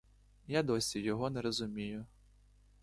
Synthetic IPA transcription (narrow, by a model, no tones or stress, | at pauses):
jad̪ɔsʲijɔɦɔnɛɾɔzʊmʲijʊ